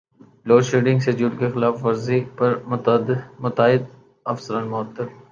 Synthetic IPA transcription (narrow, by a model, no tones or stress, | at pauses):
loːʃeːɖɪ̃ŋɡsed͡ʒuʈkexɪlaːfʋɐɾzipɐɾmʊmʊt̪aːɪd̪ | ɐfsəɾənmʊɦət̪ːɪɾ